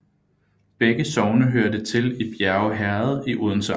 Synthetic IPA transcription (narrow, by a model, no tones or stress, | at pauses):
b̥eɡ̥əsɒʊnəɦøɐ̰d̥ət͡sʰe̝lib̥jæɐʊɦæɐð̩ˠiʔuðˠn̩s